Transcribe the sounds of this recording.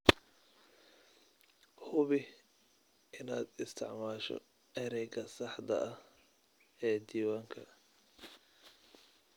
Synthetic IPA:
hʊβɪ | ɪnaːd̪ɪst̪ʰɪ̰ʕmaːʃɔ̰ | ɛɾɛjɡɐsɑħd̪ɐ̰ʔɐh | ɛːd̪iːwaːŋkʰɐ

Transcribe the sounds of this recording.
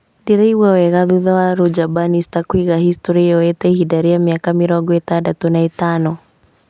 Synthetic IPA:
diɾaiwawɛɣaðuðawaɾud͡ʒabanist̪akwiɣahist̪ɔɾijɔɛt̪ɛhidaɾijamiakamiɾɔɡɔɛt̪adat̪ɔnaɛt̪anɔ

